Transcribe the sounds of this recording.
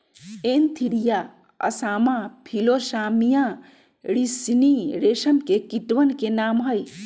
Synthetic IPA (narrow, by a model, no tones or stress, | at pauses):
eːnt̪ʰiɽija | ɐ̰saːmãpʰiloʃaːmijã | ɾisiniɾeːʃɐnkekiʈʋɐnkenaːmɦɐj